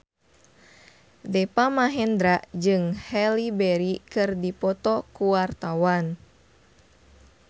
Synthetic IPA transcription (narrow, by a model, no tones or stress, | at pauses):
dɛpamaɦɛnd̪ɾaʔd͡ʒɨŋhɛlibɛɾikɨrdipɔt̪ɔkuwart̪awan